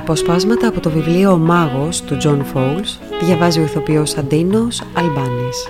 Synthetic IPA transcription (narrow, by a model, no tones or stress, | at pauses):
ɐpo̞spɐzmɐt̪ɐːpot̪o̞vivlio̞mɐɣo̞st̪ud͡ʒo̞nfowls | ðʝɐvɐzio̞iθo̞pio̞sɐnd̪inosɐlbɐnes